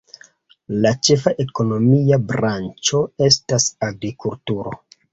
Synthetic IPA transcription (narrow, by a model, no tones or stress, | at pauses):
lat͡ʃe̞faʔe̞ko̞no̞miabɾant͡ʃo̞e̞stasaɡɾikultuɾo̞